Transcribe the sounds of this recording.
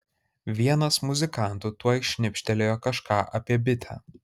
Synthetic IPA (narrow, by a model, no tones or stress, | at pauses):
ʋʲiɛnɐsmʊzʲɪkɑˑnˑt̪ʊt̪uɔɪʃʲnʲɪpʲʃʲt̪ʲɛlʲeːjoːkɐʃkɑːʔɐpʲiɛbʲɪt̪ʲʰæ̰ː